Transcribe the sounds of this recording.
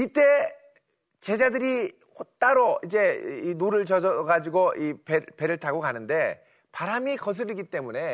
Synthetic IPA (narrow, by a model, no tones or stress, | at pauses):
it͈e̞ | t͡ɕe̞d͡ʑadɯɾi | hot͈aɾoid͡ʑe̞inoɾɯɭt͡ɕʌd͡ʑʌɡad͡ʑiɡoʔipepe̞ɾɯɭtʰaɡokanɯnde̞ | paɾamikʌs̬ʰɯɾiɡit͈e̞mune̞